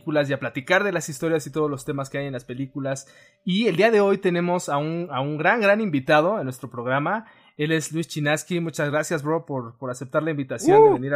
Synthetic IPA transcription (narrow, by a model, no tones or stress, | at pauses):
kulasiaplat̪ikaɾðe̞lasist̪o̞ɾjasit̪o̞ð̞o̞zlo̞st̪e̞maskeajenlaspe̞likulas | ield̪iaðe̞o̞jt̪e̞ne̞mo̞saunauŋɡɾaŋɡɾanimbit̪að̞o̞enːwest̪ɾo̞pɾo̞ɣ̞ɾama | e̞le̞zlwist͡ʃinaskimut͡ʃazɣɾasjazβɾopoɾpo̞ɾasep̚t̪aɾlaimbit̪asjoneβeniɾ